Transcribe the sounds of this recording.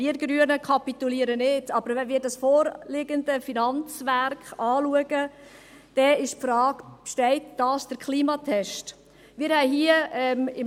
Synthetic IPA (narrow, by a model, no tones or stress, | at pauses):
iəɾɡɾyənəkʰɑpit̪uliːəɾənɪtɑb̥əɾvɛnʋɪːɾdɑsfɔːɾlɪɡəndəfinɑnt͡sʋæɾkχɑːluəɡ̥ə | d̥ɛɪʃpfɾɑːɡ̥pʃtɛɪtd̥ɑːsd̥əkʰliːmɑtʰɛʃt | mɪːɾhɛɪɦiəɛmɪm